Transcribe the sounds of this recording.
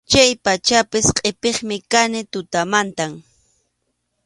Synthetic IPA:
t͡ʃajpat͡ʃapɪsqʼepeχmɪkanɪt̪ʊt̪amant̪am

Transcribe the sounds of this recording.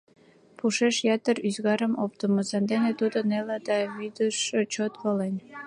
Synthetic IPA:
puʃeʃjɑt̪əɾyzɣɑɾəmop̚t̪əməsɑnd̪enet̪ud̪ənelɑd̪ɑβyd̪əʃət͡ɕot̪βəlen

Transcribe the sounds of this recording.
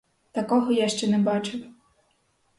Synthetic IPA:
t̪ɐkɔɦɔjaʃt͡ʃɛnɛbɑt͡ʃɪw

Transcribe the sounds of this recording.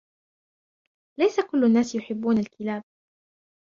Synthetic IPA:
lajsakʊlːʊnːaːsjʊħɪbːuːnalkɪlaːb̚

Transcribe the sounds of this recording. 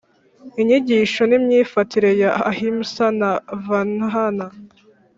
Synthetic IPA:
iɲiɟiʃo̞nimɲiːfatiɾe̞jahimsanavanɦana

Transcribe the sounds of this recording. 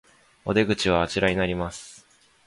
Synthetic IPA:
o̞d̪e̞ɡɯ̟t͡ɕiβ̞aːt͡ɕiɾaɲinaɾʲimasɨ̥

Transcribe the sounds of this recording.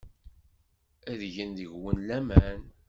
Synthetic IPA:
æðʝənðəʝwənlæmæn

